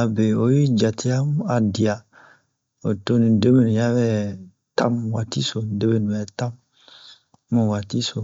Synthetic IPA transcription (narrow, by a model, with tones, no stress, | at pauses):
a˨be˨o˨ji˦d͡ʒa˨tʰi˦a˦m˦a˨di˨a˨ | o˨to˦nĩ˨de˦me˨nĩ˨ja˦βɛ˦ | ta̰˦mwa˨ti˦so˨de˦be˨nũ˨bɛ˨ta˦m˦ | mo˨wa˨ti˦so˨